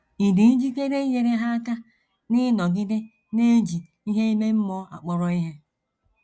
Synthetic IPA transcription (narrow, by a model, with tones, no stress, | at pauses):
i˨di˨n̩˦d͡ʒi˦ke˦ɾe˦je˦ɾe˦ɦa˦a˦ka˦ | nɪ˦nɔ˨ɡɪ˦dɪ˦ | ne˦d͡ʒi˨ | i˦ɦe˦i˦me˦m̩˦mɔ˦a̰˨k͡pɔ˨ɾɔ˨i˦ɦe˦